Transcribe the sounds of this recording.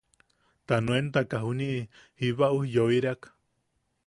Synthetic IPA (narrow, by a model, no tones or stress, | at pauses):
t̪anũent̪akaɦuniʔhiβaʔuhjoiɾeakḁ